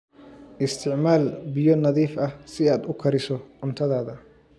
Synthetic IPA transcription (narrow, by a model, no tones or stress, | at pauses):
ʔɪst̪ʰɪʕmaːlbɪjɔnɐðiːfɐhsɪaːd̪ʊkʰɐɾɪsɔʔʊnt̪ʰɐðaːðɐ